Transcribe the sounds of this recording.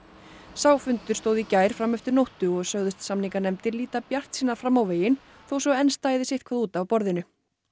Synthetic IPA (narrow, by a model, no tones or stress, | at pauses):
saːwfʏnt̪ʏɾ̥st̪oːwðicaːjɾ̥fɾamːɛft̪ʏɾnowht̪ʏɔɣsœɣðʏst̪samniŋkanɛmt̪ɪɾliːt̪apjar̥t̪siːnaɾ̥fɾamːawveːjɪn | θowsɔɣɛnst̪aːjðɪsɪht̪kʰvaðuːt̪avpɔɾðɪnʏ